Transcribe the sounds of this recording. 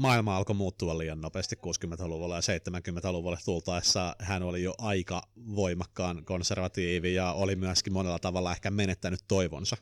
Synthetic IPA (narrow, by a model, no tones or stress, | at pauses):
mɑːilmɑɑlkomuːt̪ːuɑlliːɑnnopeːst̪ikkuːskymːent̪æluʋulːɑjɑseit̪ːemæŋkymːent̪æluʋulːɑst̪ult̪ɑisːɑːhænolijoʔɑikɑʋoimɑkːɑːnkonserʋɑt̪iːʋijɑolimyæskimmonelːɑt̪ɑʋɑlːɑehkæmenet̪ːænyt̪toiʋo̰nsɑ